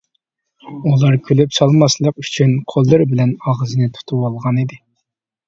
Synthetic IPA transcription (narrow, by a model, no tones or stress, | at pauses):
ulˠɑɾkʲʰølypsɑlˠmɑslˠəqy̥t͡ʃʰynqʰolˠːɨɾbɪlɛnɑʁəzɨnɪt̪ʰu̥t̪ʰuwɑlˠʁɑnid̪ɪ